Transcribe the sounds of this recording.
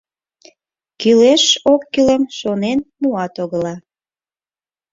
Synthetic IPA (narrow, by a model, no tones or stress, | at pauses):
kyleʃokːyləmʃonenmuɑt̪oɣəlɑ